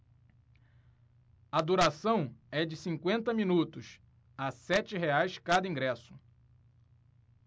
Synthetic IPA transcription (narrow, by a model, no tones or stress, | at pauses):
ɐd̪uɾasɐ̃w̃ɛd͡ʒɪsĩŋkwẽnt̪ɐmĩnut̪ʊs | asɛt͡ʃɪɦeajskad̪ɐĩŋɡɾɛsʊ